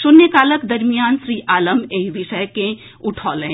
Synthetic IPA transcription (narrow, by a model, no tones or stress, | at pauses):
ʃʊnːekaːləkd̪ɐɾmijaːnʃɾiːʔaːləmeɦiʋɪʃəjkẽ | ʊʈʰɔːlẽ